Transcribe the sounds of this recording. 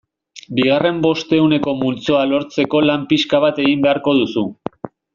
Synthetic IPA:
biɣ̞are̞mbo̞st̪e̞une̞ko̞mult͡so̞alo̞ɾt͡se̞ko̞lampiskaβ̞at̪e̞ɣimbe̞aɾko̞ðusu

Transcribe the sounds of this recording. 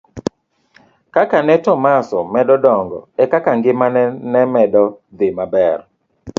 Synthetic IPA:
kakanɛtɔmasɔmɛdɔdɔŋɡɔ̰ɛkakaŋɡɪmanɛnɛmɛdɔd̪ɪmabɛr

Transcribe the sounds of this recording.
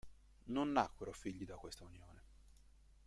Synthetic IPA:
nonːakweɾofiʎːid̪akːwest̪aunjoːne

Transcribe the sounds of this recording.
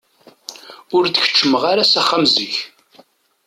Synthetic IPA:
ʊɾt͡sçə̥t͡ʃːəməʁaɾasæχːamzəç

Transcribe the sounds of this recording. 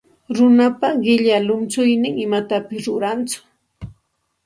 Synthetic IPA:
ɾʊnapaɢɪʎalʊnt͡sʊjnɪŋɪmat̪apɪsɾʊɾant͡sʊ̥

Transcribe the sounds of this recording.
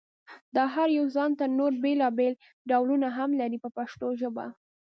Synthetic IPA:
d̪ɑɦaɾjawzɑnt̪anoɾbelɑbel | ɖawlunaɦamlaɾipəpaʃt̪oʒəba̰

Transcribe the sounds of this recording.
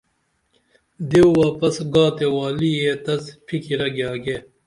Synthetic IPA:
d̪ewwaːpɐsɡɑːt̪ewaːlijet̪ɐspʰikiɾɐɡjɑːɡe

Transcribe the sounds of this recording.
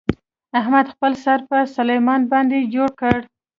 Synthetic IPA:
ahmad̪xpəlsaɾpəsalajmɑnbɑnd̪ed͡ʒoɽkəɽ

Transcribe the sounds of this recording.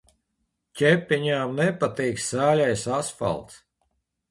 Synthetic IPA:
cʲɛpʲːiɲaːmnɛpat̪iːksæːlʲajsasfa̰lˠt̪s

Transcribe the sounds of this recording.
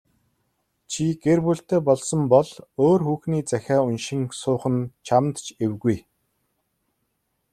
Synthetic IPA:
t͡ɕʰiɡ̥erpuɬt̪eːpɔɮsɞ̆mpɔɮoːrxuːxniːt͡sæxʲæːʊnʃĭŋsʊːχə̆nt͡ɕʰamt̪t͡ɕewɣuj

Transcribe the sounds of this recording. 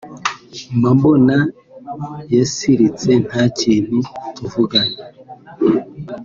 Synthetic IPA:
mambona | jesiɾit͡se̞n̥hacin̥ituvuɡaɲa

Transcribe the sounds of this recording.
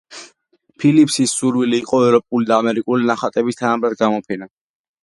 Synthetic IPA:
pʰilipʰsisːuɾwiliːqʼɔɛvɾɔpʼulid̪aːmɛɾikʼulinaχat̪ʼɛbist̪ʰanamɾad̪̚ɡamɔpʰɛna

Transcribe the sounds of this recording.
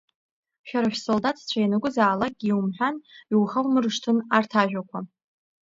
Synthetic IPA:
ʃᶣaɾaʃᶣsoldatʰʼt͡ɕʷʰajanɨkʷʼʊzaːlak̚ɡʲiiwumħʷᶣaniwχawmɨrʂtʰɨnartʰaʒᶣʷakʷʰa

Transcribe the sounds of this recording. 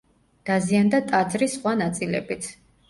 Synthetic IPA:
d̪̥aziand̪at̪ʼad̪zɾisχwanat̪sʼilɛ̰bit̪sʰ

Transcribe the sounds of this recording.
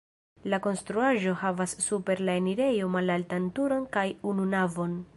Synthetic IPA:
lako̞nstɾuaʒo̞havasːupe̞ɾlaeniɾe̞jo̞malaltantuɾo̞nkajununavo̞n

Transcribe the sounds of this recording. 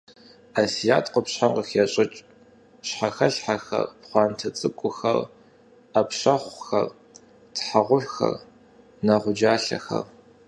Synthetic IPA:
asijaːtʰqʷʊpɕħamqəxɛɕʼɪt͡ʃʼ | ɕħaxɐɬħaxɐ̰rpχʷɑːntʰɐt͡sʼɨkʷʼʊxɐ̰r | apɕɐχʷxɐ̰r | tħaʁʷʊħʷxɐ̰r | nɐʁʷʊd͡ʒaːɬɐ̰xɐ̰r

